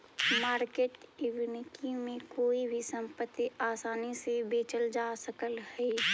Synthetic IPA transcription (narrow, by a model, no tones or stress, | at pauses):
maːɾkeːʈɪwnɪkimẽkoːibʱisə̃mpət̪ːiaːsaːnisebeːt͡ʃəld͡ʒaːsəkəlɦɛi